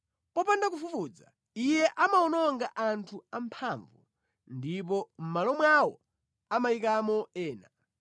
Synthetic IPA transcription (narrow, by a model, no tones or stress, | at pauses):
pɔpandak̬ufufuːd͡za̰ | ijɛʔamaɔnɔŋɡaʔantʰuampʰaɱvu | ndip̬ɔm̩malɔmwawɔ | amaikamɔɛːna